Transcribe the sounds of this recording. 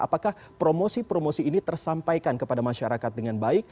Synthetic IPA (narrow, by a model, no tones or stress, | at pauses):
a̰pakah | pɾomosipɾomosiːnit̪ərsampajkankəpadamaʃaɾakat̪̚dəŋanbaɪk̚